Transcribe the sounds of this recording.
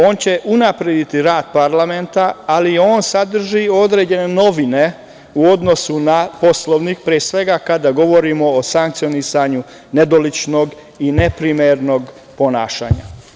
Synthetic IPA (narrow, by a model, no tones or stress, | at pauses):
o̞ːnt͡ɕe̞ʔunapɾed̪it̪iɾaːd̪̥paɾlame̞nt̪aːlio̞ːnsad̪r̩ʒio̞d̪ɾeːd͡ʑe̞ne̞no̞ʋine̞ | uo̞d̪no̞sunapo̞slˠoʋnikpɾiesʋe̞ɡakad̪aɡo̞ʋo̞ɾimo̞ːsaŋk̚t̪sionisaɲu | ne̞d̪o̞lit͡ʃno̞ɡ | ine̞pɾimeɾno̞ɡ | po̞naːʃa̰ːɲa̰